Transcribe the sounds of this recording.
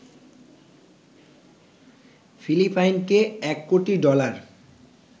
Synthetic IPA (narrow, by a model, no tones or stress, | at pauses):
filipajnkeɛkːoʈiɖɔlaɾ